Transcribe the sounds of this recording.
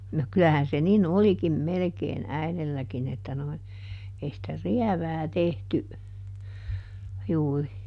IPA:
no kylæhæn se nin olikim melekeːn æilelːækin etːæ noi ei sĭtæ riæʋæː tehty juːri

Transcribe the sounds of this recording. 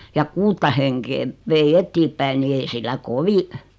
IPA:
jɑ kuːtːɑ heŋkeːʋ ʋei etːiːpːæi ni ei silːæ koʋi

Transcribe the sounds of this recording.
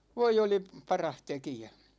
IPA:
ʋoi oli pɑrɑh tekijæ

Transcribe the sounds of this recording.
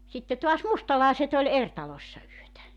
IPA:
sitːe toɑs mustɑlɑˑeset olʲ er tɑlosʲsɑ yøtæ

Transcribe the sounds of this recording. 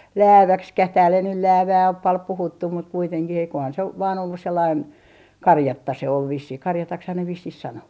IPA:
læːʋækskæh tæːl ei nyl læːʋæː op pɑl puhutːum mut kuiteŋkih eikohɑn se oʋ ʋɑːn olːus selːɑin kɑrjɑtːɑ se ol ʋisːih kɑrjɑtɑkshɑn ne ʋisːih sɑno

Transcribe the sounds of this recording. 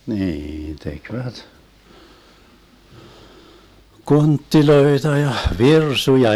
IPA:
niːn tekʋæt kontːiloetɑ jɑ ʋirsujɑ

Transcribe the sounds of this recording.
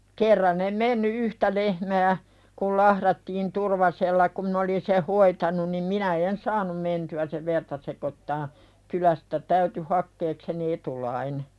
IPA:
kerːɑn em menːy yhtæ lehmæː kul lɑhɾɑtːiːn turʋɑselːɑ kum min olin seh hoitɑnun nim minæ en sɑːnum mentyæ seʋ ʋertɑ sekotːɑː kylæstæ tæyty hɑkːeːkseni etulɑine

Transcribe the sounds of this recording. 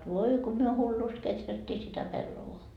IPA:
ʋoi ko myø hulːust ketrætːiː sitæ pelːoʋoɑ

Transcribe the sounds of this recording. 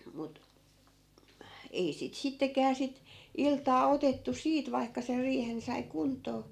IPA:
mut ei sit sitːekæː sit iltɑː otetːu siːt ʋɑi̯kːɑ ser riːhen sɑi kuntˑoː

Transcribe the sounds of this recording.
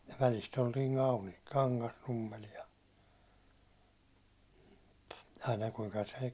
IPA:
jɑ ʋælist oltiː mɑlmil kɑŋkɑsnumːel jɑ ɑinɑ kuiŋkɑ se

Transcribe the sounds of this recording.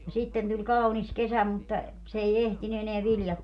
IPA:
no sitːen tulʲ kɑunis kesæ mutːɑ s ei ehtiny eneæ ʋiljɑt

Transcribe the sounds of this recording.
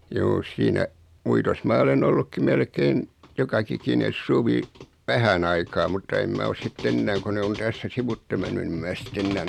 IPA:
juː siːnæ uitos mɑː olen olːukːi melkein jokɑkikines suʋi ʋæhæn ɑikɑː mutːɑ em mæ os sitː enːæːŋ ko ne on tæsːæ siʋutːe menːy ni em mæː sitː enːæːn

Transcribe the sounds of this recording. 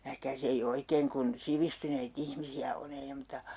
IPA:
næhkæːs ei oikeːŋ kun siʋistyneit ihmisiæ on ei ne mŭtɑ

